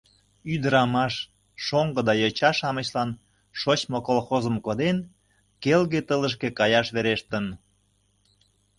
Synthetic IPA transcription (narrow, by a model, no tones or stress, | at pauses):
yd̪ə̆ɾɑmɑʃː | oŋɡɤ̆d̪ɑjɤt͡ɕɑʃɑmə̆ɕlɑn | ʃot͡ɕmokolxozə̆mkod̪en | kelɣet̪ələʃ̬kekɑjɑʃβeɾeʃt̪ən